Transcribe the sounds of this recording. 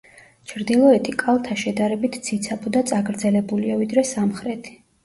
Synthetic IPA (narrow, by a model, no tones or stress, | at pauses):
t͡ʃʰɾd̪ilˠɔɛt̪ʼʰikʼalˠt̪ʰaʃɛd̪aɾɛbit̪ʰsʰit̪sʰapʰʼud̪at̪sʼaɡɾd̪zɛlɛbuliavid̪ɾɛsamχɾɛt̪ʰi̥